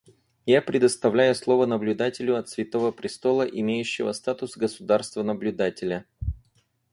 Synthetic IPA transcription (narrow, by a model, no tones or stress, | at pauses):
japɾʲɪd̪əst̪ɐvlʲæjʊslˠo̞vənəblʲʉd̪atʲɪlʲʊɐt̪svʲɪt̪o̞vəpɾʲɪst̪o̞lˠəʔɪmʲejʉɕːɪvəst̪at̪ʊsɡəsʊd̪arst̪vənəblʲʉd̪atʲɪlʲə